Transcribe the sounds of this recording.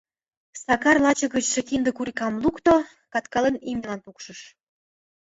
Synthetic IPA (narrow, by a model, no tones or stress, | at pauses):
sɑkɑrlɑt͡ɕɤ̆ɣət͡ɕʃɤ̆kind̪ə̆kuɾikɑmlukt̪o | kɑt̪kɑlenimnʲə̆lɑnpukʃə̆ʃ